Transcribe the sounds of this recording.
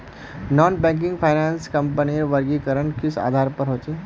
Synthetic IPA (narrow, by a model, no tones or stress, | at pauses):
nɔːnbɛ̃ːŋk̬ɪ̃ŋɡpʰaɪnaːnskɐ̃mpəniɾʋəɾɡikəɾənkɪsa̰ːd̪ʱaːɾpəɾɦoːt͡ʃe